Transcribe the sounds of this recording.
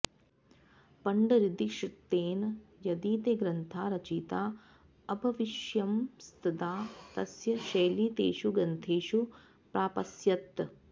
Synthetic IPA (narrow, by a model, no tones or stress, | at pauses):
pɐɳɖɐɾid̪iʃit̪ːeːnjɐd̪iːt̪eːɡɾɐnt̪ʰaːɾɐt͡ʃiːt̪aː | ɐbʱɐʋiʃjɐmst̪ɐd̪aːt̪ɐsjɐʃɐjliːt̪ḛːʃuɡɐnt̪ʰeːʃu | pɾaːpɐsjɐt̪